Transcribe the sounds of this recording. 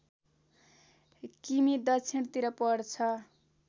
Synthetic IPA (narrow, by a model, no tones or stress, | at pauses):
kimid̪ʌt͡sʰint̪iɾʌpʌɽt͡sʰʌ